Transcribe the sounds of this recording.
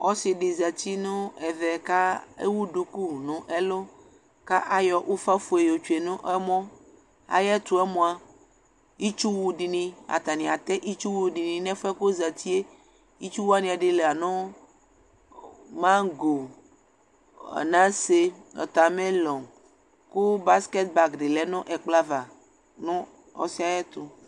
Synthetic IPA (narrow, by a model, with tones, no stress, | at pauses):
ɔ˦si˨ɖi˨za˨t͡ɕi˦nũ˦ɛ˨ðɛ˨ka˦ḛ˦wu˦ɖu˨ku˦˨nũ˨ʔe˦lo˦ | ka˦ʔa˦jɔ˨ʔo˦fa˦fu˨e˨jo˨t͡ʃu˨e˨nũ˦ʔɛ˦mɔ̃˦ | a̰˨jɛ˦t̪u˨˦ɛ˦mɔ̃˨a˨ | i˦t͡ʃu˦wu˦ɖi˨nĩ˨a̰˨t̪a˨nĩ˨a˨t̪ɛ˦ʔi˦t͡ʃu˦wu˨ɖi˨nĩ˨nɛ̃˦fɛ˦ko˦za˨t̪i˦e˦ | i˦t͡ʃu˦wu˦a˦nĩ˨a˨ɖe˦le˨a˨nɔ̃˦ | mã˦ɡo˨ | nã˦se˦nɔ̰˨t̪a˨mẽ˦lɔ̃˨ŋ | ku˦ba˦ske˦t̪̚ba˨kɖe˨lɛ˦nɔ̃˦ʔɛ˨k͡pla˦va˨ | nɔ̃˦ | ɔ̰˦si˦a˦jɛ˦t̪o˨